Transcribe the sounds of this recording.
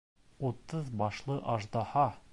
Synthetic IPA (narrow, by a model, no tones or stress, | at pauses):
ut̪ɤðbɑʃlˠɤʔɑʒd̪ɑhɑ